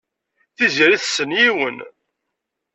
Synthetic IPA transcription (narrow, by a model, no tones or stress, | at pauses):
θiziɾiθsːənjiwən